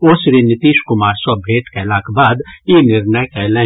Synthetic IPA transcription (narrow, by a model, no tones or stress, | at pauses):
oːsɾinɪt̪iːʃkʊmaːɾswabʱeːʈkaɪlaːkbaːd̪jenɪɾnəjkɛlɛ̃